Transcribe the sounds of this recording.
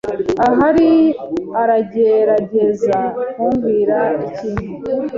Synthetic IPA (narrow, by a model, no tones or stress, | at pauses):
aɦaɾiaɾaɟeɾaɟezakuɱɡiːɾaiciːɲu